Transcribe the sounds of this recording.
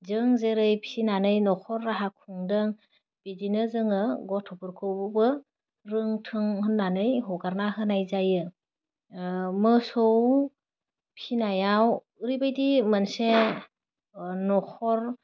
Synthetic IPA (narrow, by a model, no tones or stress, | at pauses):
zɯŋzeɾɯjpʰinanɯjnɔkʰɔɾːaɦakʰuŋdɯŋ | b̥idinɯzɯŋɯɡɔtʰɔpʰɯɾkʰɯwbɯbɯ | ɾɯŋtʰɯŋhɯnːanɯjɦɔɡaɾnaɦɯnajzajɯ | mɯsɔw | pʰinajaw | ɾibajdimanse | nɔkʰɔɾ